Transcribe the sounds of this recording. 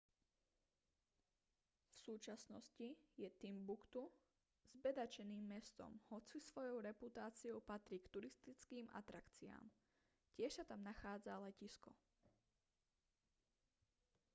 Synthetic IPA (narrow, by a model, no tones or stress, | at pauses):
fsuːt͡ʃasnɔ̰scijɛt̪imbukt̪u | z̥bɛd̪at͡ʃɛniːmːɛst̪ɔ̰mhɔt͡sisʋɔjɔʊɾɛput̪aːt͡siɔʊpat̪ɾiːkt̪uɾist̪it͡skiːmʔa̰t̪ɾakt͡sia̰ːm | cɪɛʃsat̪amnaxaːd͡zalɛciskɔ